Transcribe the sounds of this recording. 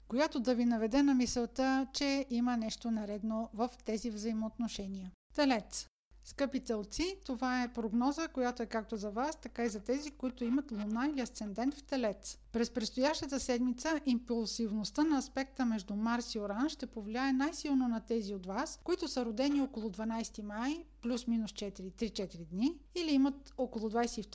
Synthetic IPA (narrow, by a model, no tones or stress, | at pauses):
kojat̪od̪ɐvinɐvɛd̪ɛnɐmisɛlˠt̪ət͡ʃɛimənɛʃt̪onɐɾɛd̪novəft̪ɛzivzɐimoːt̪noʃɛniə | t̪ɛlɛt̪s | skɤpit̪sɛlˠt̪sit̪ovaɛpɾoɡnɔzəkojat̪oɛkak̚t̪ozɐvast̪ɐkaizɐt̪ɛzikoit̪oimɐt̪lˠonailiɐst̪sɛnd̪ɛnt̪ft̪ɛlɛt̪s | pɾɛspɾɛt̪st̪ojaʃt̪ət̪əsɛd̪mit̪səʔimpulˠsivnost̪ənɐːspɛk̚t̪əmɛʒd̪umaɾsioɾanʃt̪ɛpovliaɛnajsilˠnonɐt̪ɛziot̪vaskoit̪ʊsəɾod̪ɛniokolˠod̪vɐnajst̪imajplʲusminʊst͡ʃɛt̪iɾit̪ɾit͡ʃɛt̪iɾid̪niiliimət̪okolˠod̪vajsɛift̪